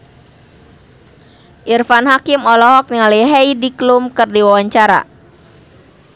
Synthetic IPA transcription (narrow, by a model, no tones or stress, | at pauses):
ʔirfanɦakimɔlɔɦɔk̚niŋaləjɦɛidiklumkɨrdiwawaɲt͡ʃaɾa̰